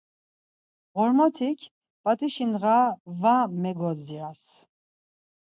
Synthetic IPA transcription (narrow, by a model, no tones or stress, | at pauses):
ɣɔɾmɔt̪ʰikʰ | pʼat̪ʰʼiʃinɣavamɛɡɔziɾas